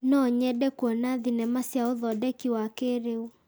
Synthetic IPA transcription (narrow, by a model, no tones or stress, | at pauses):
nɔɲɛɗɛkuɔnaðinɛmasjaoðɔdɛkiwakeɾeu